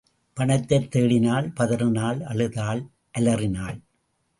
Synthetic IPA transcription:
pɐɳɐt̪ːɐt̪ːeːɽɪnaːlpɐðɐɾɯnaːɭɐɭɯðaːl | ʔɐlɐrɪnaːɭ

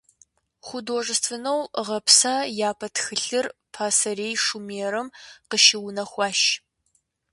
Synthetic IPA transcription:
χʷʊdoːʐɨstʰɨnɐwʁɐpsajaːpʰɐtʰxɨɬɨrpʰaːsɐɾeːjʂumeːɾɨmqəʃɪwnɐxʷɑːʃ

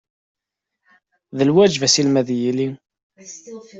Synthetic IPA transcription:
ðəlwæd͡ʒvæsilmæðjili

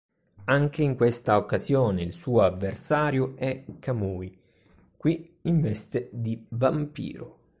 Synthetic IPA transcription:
aŋk̟eiŋkwest̪aokːazjɔːneilsuːavːersaːɾjʊɛkʰːamuːi | kwi | iɱvɛst̪ed̪ivampḭːɾʊ

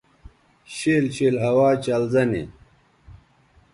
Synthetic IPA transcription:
ɕeːlɕeːlɦɐwaːt͡ɕɐlzɐnḭ

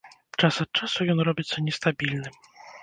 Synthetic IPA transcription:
t͡ʂasat̪̚t͡ʂasujɔnɾɔbʲit̪sɔɲɛst̪abʲilnɘm

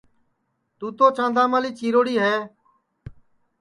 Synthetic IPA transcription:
t̪uːt̪oːt͡ʃãːnd̪ãːmaːliːt͡ʃiːɾoːɽiːɦeː

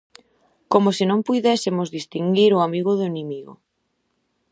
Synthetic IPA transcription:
komosɪnõmpujðɛsɪmozðist̪iŋɡiɾʊamiɣʊðʊenĩmiɣʊ̰

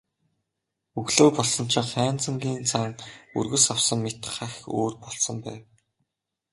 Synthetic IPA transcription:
uɣɮoːpɔɮsɞ̆n̥t͡ɕʰɪ̆χæːnt͡sə̆ŋɡʲiːnt͡sʰaŋṵrɣɵ̆sawsə̆mːet̪χaxo̰ːrpɔɮsɞ̆mpæ̰ːw

